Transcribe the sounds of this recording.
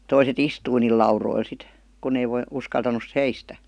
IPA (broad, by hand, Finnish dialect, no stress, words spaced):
toiset istui niːl lɑuroil sit kunˑ ei ʋoi uskɑltɑnus seistæ